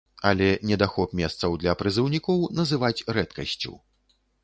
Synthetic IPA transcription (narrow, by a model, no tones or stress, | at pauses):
ɐlʲɛnʲɛd̪axɔpmʲɛst̪sɐwd̪lʲɐpɾɨzɨwnʲikɔwnɐzɨvat͡sʲrɛt̪kɐsʲt͡sʲṵ